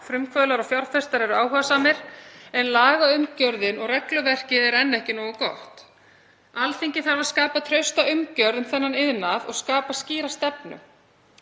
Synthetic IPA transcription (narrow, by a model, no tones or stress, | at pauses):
fɾʏmkʰvœðlaɾɔfjaɾ̥fɛst̪aɾɛɾʏaːwɦœvasaːmɪɾ̥ɛnlaːɣaʏmcœɾðɪnɔɣrɛklʏvɛr̥cɪðɛɾɛnːɛhcɪnɔːwɣakɔht̪ | alθiɲcɪθaɾvaɾ̥skaːpat̪ʰɾœɥst̪aʏmcœɾðʏnθɛnːanɪðnaðɔ̰ɣskaːpasciːɾast̪ɛpnʏ̰